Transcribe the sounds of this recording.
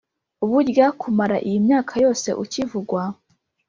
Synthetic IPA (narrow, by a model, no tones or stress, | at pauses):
uβuɾjakʰumaɾaʔijimɲaːkʰajo̞ːse̞̰ʔucivuɡwa